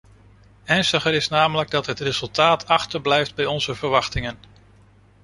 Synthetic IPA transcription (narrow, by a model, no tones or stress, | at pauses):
ɛɹnstəχəɾɪsnaːmələɡ̚dɑtɦətrezɵlˠtaːtʰɑχtəɹblɛjfd̚bɛjɔnzəvəɹʋɑχtɪŋən